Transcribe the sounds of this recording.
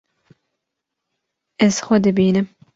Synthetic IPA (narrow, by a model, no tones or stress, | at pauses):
ɛz̥xʷʊd̪ɨbiːnɨm